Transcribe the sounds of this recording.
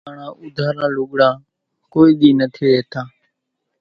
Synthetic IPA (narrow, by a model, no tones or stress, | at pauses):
ɳãːʔʊd̪ʱaːɾãːlʊɠɽãː | koːiːɗ̪iːnət̪ʰiːɾeːt̪ʰaː